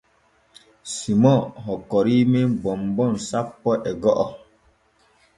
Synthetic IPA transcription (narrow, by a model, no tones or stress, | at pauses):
simɔ̃ɦɔkɔɾimebɔmbɔnsapːɔʔɛɡɔʔɔ